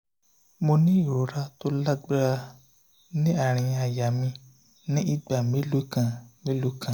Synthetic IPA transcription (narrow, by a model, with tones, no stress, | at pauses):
mo˧nĩ˦i˨ɾo˨ɾa˦to˦la˦ɡ͡bɾa˧ | nĩ˦a˦˨ɾ̃ĩ˧a˨ja˨mĩ˧ | nĩ˦ʔi˦ɡ͡ba˨mẽ˨˦lo˨˦kã˨mẽ˦lo˨˦kʰã˨